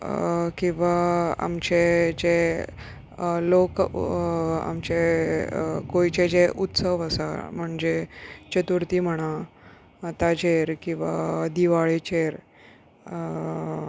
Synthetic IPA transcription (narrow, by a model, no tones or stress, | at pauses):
kĩw̃ʋaa̰mt͡ɕed͡ʑe | lok | a̰mt͡ɕe | kojt͡ɕed͡ʑeʔut̪səʋəsa̰m̤əɳd͡ʑet͡ɕət̪uɾt̪iːm̤əɽ̃a | t̪at͡ɕeɾkĩw̃ʋad̪iʋaɭet͡ɕeɾ